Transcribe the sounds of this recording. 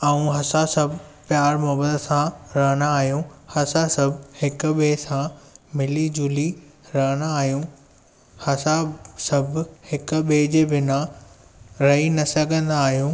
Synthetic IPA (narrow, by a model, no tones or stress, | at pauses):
aũɦɐsasɐbʱpjaːɾmɔːbəd̪sãɾɐɦəɽaaːɦijũhɐsasɐbʱhɪkʊ̆ɓeːsãmɪlid͡ʑʊːliɾɐɦəɽ̃aaːɦijũ | hɐsasɐbʱhɪkʊ̆ɓeːd͡ʑeːbɪna | ɾɐɦinɐsɐɡʱə̃nd̪aːɦijũː